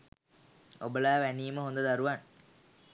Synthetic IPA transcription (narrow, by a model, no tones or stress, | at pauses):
obəlaːʋæniːməɦond̪əd̪aɾuʋan